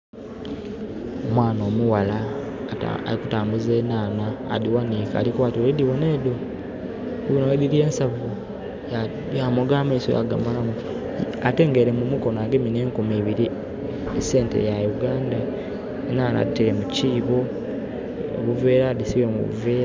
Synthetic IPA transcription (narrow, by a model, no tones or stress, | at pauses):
omwaːnoːmuwala̰ | a̰likutaːmbuzeːnaːna̰ːdiwanika̰ːlikwaːtioidiβoneːdo | iβonawedilie̞ːnsavu | ja | jamoɡaːmaiso̰ja̰ɡa̰malamu | ate̞ːŋɡe̞ɾe̞mumuko̞naɡemineːŋkumiːβiɾi | ese̞ːntḛjajuɡaːnda | enaːna̰diteɾemuciːβo̞ | o̰βuveːɾadisiwemṵṵveːɾ